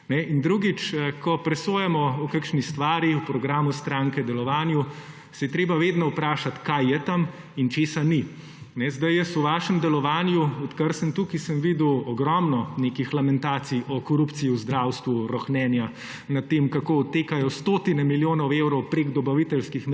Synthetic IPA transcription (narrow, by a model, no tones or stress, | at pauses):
nɛind̪ɾuɡit͡ʃəkʰɔpɾɛsoːjɛmɔukakʃnist̪ʋaːɾiwpɾɔɡɾaːmust̪ɾaŋkɛd̪ɛlɔʋaːnju | sɛjɛt̪ɾeːbaʋeːd̪nɔupɾaːʃat̪kajjɛt̪am | int͡ʃeːsani | nɛzd̪ajjɛst̪uʋaːʃɛmd̪ɛlɔʋaːnjuɔt̪kəɾsənt̪ukisəmʋid̪uɔɡɾɔmnɔnekixlamɛnt̪aːt̪sijʔɔkɔɾupt̪sijiuzd̪ɾawst̪ʋuɾɔxnɛːnja | nɐt̪ːeːmkakoːɔt̪ːeːkajɔst̪oːt̪inɛmiljoːnɔwewɾɔwpɾeɡd̪ɔbaʋit̪ɛlskixm